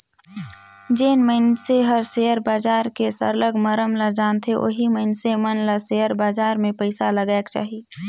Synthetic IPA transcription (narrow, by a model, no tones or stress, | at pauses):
d͡ʒeːnməɪnseɦəɾseəɾbaːd͡ʒaːɾkesə̰ɾləɡməɾəmlad͡ʒaːnt̪ʰeʔo̰ːɦiməɪnsemənlaseəɾbaːd͡ʒaːɾmẽpəɪsaləɡaːkt͡ʃa̰ːɦi